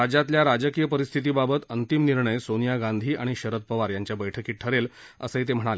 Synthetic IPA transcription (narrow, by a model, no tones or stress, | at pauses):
ɾad͡ʑat̪ljaɾad͡ʑəkijəpəɾist̪ʰit̪iːbabət̪ənt̪imniɾɳəjsonijaɡãnd̪ʱiːʔaɽ̃iɕəɾət̪̚pəʋaɾjaɲt͡ɕjabəjʈʰəkiːʈʰəɾel | ə̰səit̪̬em̤əɽ̃ale